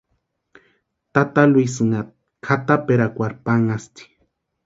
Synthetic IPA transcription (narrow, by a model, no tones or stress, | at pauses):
t̪at̪alwuisɨŋat̪ | kʰat̪apeɾakʷaɾpaŋast̪i̥